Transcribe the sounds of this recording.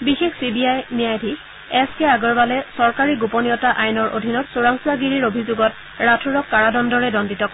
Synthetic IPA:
bixexsibiajnijajdʱi | ɛskɛaɡɔɹbalɛsɔɹkaɹiɡuponijɔtaʔajnɔɹʔo̰dʱinɔtsoɹaŋsuaɡiɹiɹobʱizuɡɔt | ɹatʰuɹɔkːaɹadɔndɔɹɛdɔnditɔk

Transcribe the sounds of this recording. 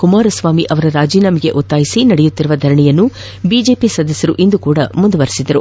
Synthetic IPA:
kumaːɾɐsʋaːmiʔɐʋɐɾɐɾaːd͡ʒiːnaːmiɡe̞̰ʔot̪ːaːjisinɐɽɛjut̪ːiɾuʋɐd̪ʱɐɾɐɳɛjɐnːu | biːd͡ʒe̞ːpisɐd̪ʱɐsjɐɾuʔind̪ukuːɽɐmund̪ɐʋɐɾisid̪ɐɾu

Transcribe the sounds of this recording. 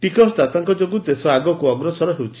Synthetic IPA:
ʈikɔst̪at̪aŋkɔd͡ʒoɡut̪esɔaɡɔkuɔɡɾɔsɔɾɔɦewt͡ʃʰi̥

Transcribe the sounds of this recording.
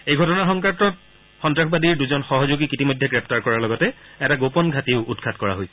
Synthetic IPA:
ejɡʱɔtɔnaxɔŋkatɔt | xɔntɹaxbadiɹduzɔnxɔɦɔzoɡikitimɔjdʱɛɡɹɛp̚taɹkɔɹalɔɡɔtɛɛtaɡopɔnɡʱatiʊudkʰatkɔɹa̰ɦoj

